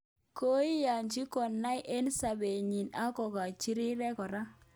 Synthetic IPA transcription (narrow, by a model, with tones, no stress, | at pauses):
ko˦i˦ja˨ɲt͡ʃi˦kɔ˨nːa˦jʔe˦nsa˨be˨ɲi˨na˦kɔ˨ka˨t͡ʃi˦ɾi˦ɾɛ˦kɔ˨ɾa˦